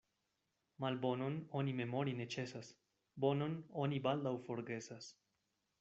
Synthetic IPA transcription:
malbo̞no̞no̞nime̞mo̞ɾine̞t͡ʃe̞sas | bo̞no̞no̞nibald̪awfo̞ɾɡe̞sas

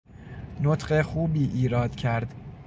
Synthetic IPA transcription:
not̪ʰɢexuːbiːʔiːɾɒːd̪̥cʰæɾd̪

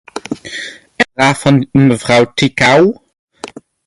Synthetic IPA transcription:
əraːfɑnməvʁawtikaw

